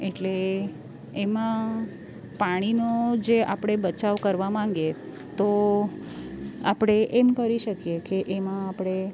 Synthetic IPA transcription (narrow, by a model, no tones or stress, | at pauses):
eʈle | emã | paɽ̃inod͡ʒea̰pɽ̃ebət͡ʃaʋkəɾʋamãŋɡe | t̪o | apɽ̃eʔemkəɾiʃəkjekeʔemãapɽ̃e